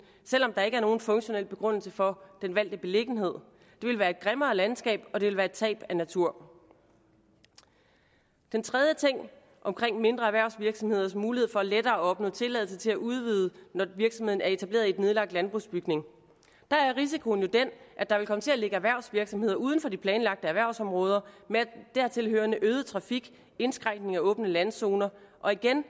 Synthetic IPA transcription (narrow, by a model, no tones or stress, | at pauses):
sel̰ɒ̽md̥ɑ̈e̝ɡ̥æɐno̝ːn̩fɔ̽ŋɕo̝nel̰b̥e̝ɡ̥ʁɔ̽n̰l̩səfɒ̽d̥enʋæl̰d̥ib̥e̝le̝ɡ̥n̩he̝ð̞̰ˠ | d̥e̝ʋe̝lʋæːɐe̝d̥̚ɡ̥ʁemɐːlænsɡ̥ɛ̰ːb̥ɒ̽d̥e̝ʋe̝lʋæːɐe̝d̥̚t͡sʰɛ̰ːb̥ænæt͡sʰuɐ̰ | d̥ent͡sʰʁɛð̞ˠjət͡sʰe̝ŋ̰ | ʔɒ̽mkʰʁeŋ̰me̝nd̥ʁɐæʋæɐʊ̰sʋiɐɡ̥sɒ̽mhe̝ð̞̰ˠɐsmuːlihe̝ð̞̩̰ˠfɒ̽æled̥ɐːɒɒ̽b̥nɔ̰̽ːt͡sʰe̝lɛðl̩s̬ət͡sʰe̝læʔuð̞ˠʋiːð̞ˠənɒʋiɐɡ̥sɒ̽me̝ð̰ˠn̩æɐe̝t͡sʰæb̥le̝̰ːɐðˠiedne̝ð̞ˠlɑ̈ɡ̥̚d̥lænb̥ʁṵsb̥yɡ̥ne̝ŋ | d̥ɑ̈æɐʁis̬ikʰo̝njo̝d̥enʔæd̥ɑ̈ʋelkʰɒ̽mət͡sʰe̝æle̝ɡ̥əæʋæɐʊ̰sʋiɐɡ̥sɒ̽mhe̝ð̰ˠɐʔuːð̞ˠn̩fɒ̽d̥ipʰlɛːnlɑ̈ɡ̥̚d̥əæʋæɐʊsɒ̽mʁɔ̽ːð̞ˠɐmed̥æɐt͡sʰe̝lɦøːɐnəʔøːðˠət͡sʰʁɑ̈fiɡ̥ | e̝nsɡ̥ʁaŋ̰ɡ̥ne̝ŋæɔ̽ːb̥nəlænso̝ːnɐʔɒ̽iɡ̥en